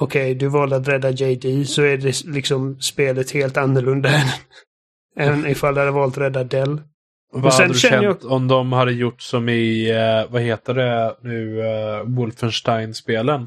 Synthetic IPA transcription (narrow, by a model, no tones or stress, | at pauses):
ɔkʰɛjd̪ɵvɑːld̪at̪̬ɾɛd̪ːad͡ʒɛɪd̪iːsɔæɖɛlɪksɔmspeːlət̪heːlt̪anːəɭɵnd̪aɛnən | ɛːvənɪfald̪had̪əvɑːlt̪ɾɛd̪ːad̪ɛlː | vɔsaɛdnəd̪ʃɛɛəjt̪ɔmd̪ɔmhad̪ːəjʊʈːsɔmɪvaheːt̪əɖɛnʉ̟ːwʊlfənʂʈaɪnspeːlən